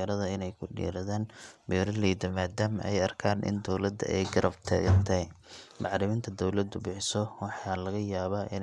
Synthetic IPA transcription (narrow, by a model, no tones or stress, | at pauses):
ɐɾɐðɐɪnɛjkʰʊɖḭːɾɐðaːnbiːɾɐliːd̪ɐmaːd̪aːmɐʔɛjɐrkʰaːnʔɪ̰nd̪ɔwlɐd̪ɐ̰ʔɛjɡɐɾʔɐbt̪ʰɐ̰ːɣɐnt̪ʰɛmɑʕɾɪmiːnt̪ʰɐd̪ɔwlɐd̪ʊbɪħsɔwɑħɑːlɐɣɐjaːβaːʔɪn